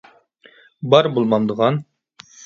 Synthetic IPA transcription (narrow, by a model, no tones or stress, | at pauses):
bɑɾbolˠmɑnd̪əʁɑn